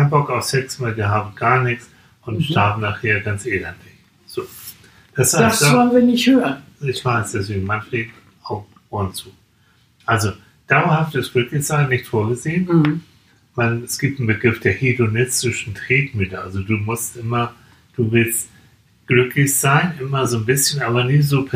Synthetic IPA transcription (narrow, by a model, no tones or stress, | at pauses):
aɪnbɔkaʊfsɛksvaɪlviːɐɦaːbm̩ɡaːɐnɪçt͡s | ʔʊntʃtʰaɐbm̩naχheːɐɡant͡sʔeːlɛntlɪç | z̥oː | d̥ashassavɔlnviɐnɪçthøːnɪçv̥aɪsd̥ɛs̬v̥eːɡŋ̩mançleːɡŋ̩ | aʊf | oːnt͡suː | ʔalzo | d̥aʊɐhaftɪsɡ̥lʏklɪçz̥aɪnːɪçtfoːɐɡəzeːən | vaɪnɛsɡ̥iːp̚tn̩bəɡʁɪfd̥eːɐhidonɪstɪʃn̩tʁ̥ɛːkmyːtəʔalzoduːmʊstʔɪmɐ | d̥uːvɪlst | ɡ̥lʏklɪçz̥aɪnʔɪmɐzoːnbɪsçənʔaːbɐnɪzoːpʰɛ